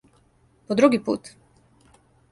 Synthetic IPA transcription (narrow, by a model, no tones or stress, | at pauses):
pod̪ɾuɡipṵːt̪